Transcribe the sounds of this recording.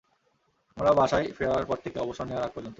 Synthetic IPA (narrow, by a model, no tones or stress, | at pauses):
amɾabʱaʃajfeɾaɾpɔɾt̪ʰekeɔboʃonewaɾak̚poɾd͡ʑont̪o